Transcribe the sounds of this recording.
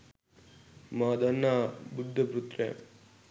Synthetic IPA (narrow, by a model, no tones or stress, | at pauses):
maːd̪ɐnːabud̪ʱːɐbɾut̪ɾḛ